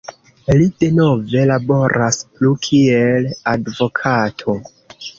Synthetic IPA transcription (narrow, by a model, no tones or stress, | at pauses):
lide̞no̞ve̞labo̞ɾʔasplukʰie̞ladvo̞kʰatʰo̞